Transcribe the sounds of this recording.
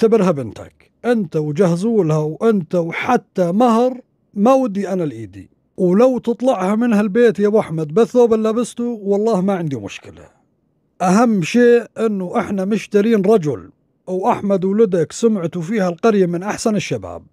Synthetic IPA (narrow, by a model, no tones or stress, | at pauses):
t̪abɪɾhabɪnt̪a̰k | ʔɪnt̪awd͡ʒahzuːlhawʔɪnt̪awħat̪ːamahɾˤ | mawɪd̪ːiʔanalʔiːd̪ḭ | wlawt̪ɨt̪ˤlɑʕhamɪnhalbeːt̪jabʔaħmad̪̚baθːoːbɪlːabɪst̪uwɑlˤːɑːhmaʕɪnd̪imʊ̰ʃkɪla̰ | ʔaɦamːʃeːʔʔɪnːuʔɪħnamʊʃt̪aɾiːnɾˤɑd͡ʒʊ̰l | wʔaħmad̪wlɪd̪aksʊmʕt̪ufiːhalqɑɾjamɪnʔaħsanɪʃːaba̰ːb̚